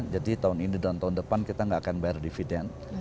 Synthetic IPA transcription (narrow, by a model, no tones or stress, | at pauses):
d͡ʒadit̪aʊninid̪aant̪aʊndəpankit̪aŋɡaʔːkanbajardifidɛn